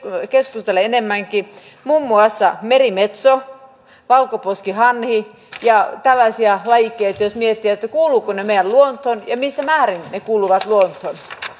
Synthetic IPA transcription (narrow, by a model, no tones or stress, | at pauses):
keskust̪eleenemːæŋki | mumːuɑsːɑmerimet̪so | ʋɑlkoposkihɑnhi | jɑt̪ælːɑsiɑlɑjikːˑeit̪yjosmiet̪ːiæt̪ːækuːluːkonemeijælluont̪honjɑmisːæmæːrinnekuːluʋɑt̪luont̪hon